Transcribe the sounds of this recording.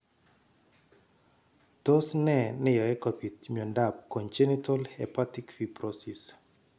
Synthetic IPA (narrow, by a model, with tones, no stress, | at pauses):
t̪o˦snɛ˨nɪ˦jɔ˨ɛ˦kɔpi˨t̪mjɔ˨nda˨p̚kɔ˨ɲt͡ʃe˦nitɔlɛpatikfiprɔsis